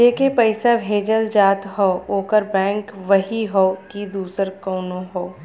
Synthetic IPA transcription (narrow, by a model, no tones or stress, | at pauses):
d͡ʒeːkepɐɪsabʱeːd͡ʒəld͡ʒaːt̪ɦɔoːkəɾbɛ̃ːŋkʋɐɦiɦɔːkid̪uːsəɾkɔːnõɦoː